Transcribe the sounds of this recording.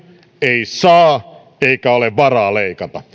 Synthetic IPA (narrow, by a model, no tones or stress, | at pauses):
eisɑː | eikæoleʋʋɑrɑːleikɑt̪ɑ